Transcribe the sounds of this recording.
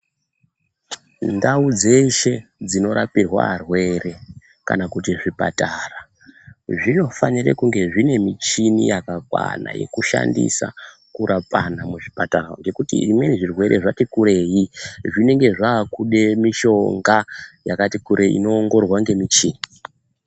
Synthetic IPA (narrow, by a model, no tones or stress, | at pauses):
ndaud͡ze̞ʃe̞d͡zino̞ɾʔa̰pirwa̰arwe̞re̞ | ka̰nakutiʐipa̰tara | ʐino̞fanirḛkuŋɡe̞ʐine̞mit͡ʃinḭjakakwa̰na̰je̞̰kuʃa̰ndḭsa̰ | kuɾapanamuʐipataroŋɡe̞kutḭimwe̞niʐirwe̞ɾʔeʐatikuɾe̞jiʐine̞ŋɡe̞ʐaːkuɗe̞miʃo̞ŋɡajakatikuɾʔeḭno̞ːŋɡo̞rwaŋɡe̞mit͡ʃiːni